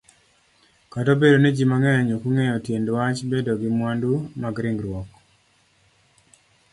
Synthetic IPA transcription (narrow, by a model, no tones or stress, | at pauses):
katobedonɛd͡ʒimaŋɛjɔɲokuŋɛjɔtjendwat͡ʃbedoɡɪmwandumaɡɾɪŋɡɾwɔk